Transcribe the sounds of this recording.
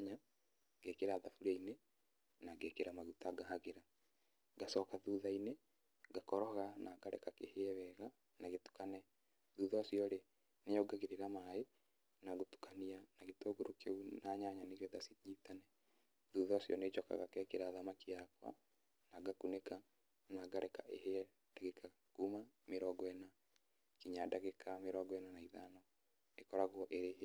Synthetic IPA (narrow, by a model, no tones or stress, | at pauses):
ɲa | ɡekeɾaðafuɾaine | naɡekeɾamaɣutaɡahaɣeɾa | ɡasɔkaðuðaine | ɡakɔɾɔɣanaɡaɾɛ̰kakeheɛβɛɣa | naɣetu̥kanɛ | ðuːðɔsiɔɾe | nejɔɡaɣeɾeɾamae | naɣotu̥kanianaɣetoɡoɾokeunaɲaɲaneɣjɔðasiɲitanɛ | ðuðɔsjɔned͡ʒɔka̰ɣa̰kɛkeɾaːðamakijakwa̰ | naɡakuneka | naɡaɾɛkaʔeheɛ | daɣeka | kumameɾɔɡɔɛna | kiɲadaɣekʰameɾɔɡɔɛnanaiðanɔ | ekɔɾaɣwɔʔeɾeh